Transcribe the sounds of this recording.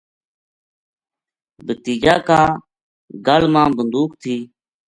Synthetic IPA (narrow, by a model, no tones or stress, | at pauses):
bət̪iːd͡ʒaːkaː | ɡəlmãːbənd̪uːkt̪ʰiː